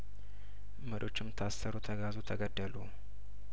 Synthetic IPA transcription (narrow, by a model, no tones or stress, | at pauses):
məɾo̞t͡ʃːɪmt̪ʰasəɾut̪ʰəɡazut̪ʰəɡəd̪ːəlu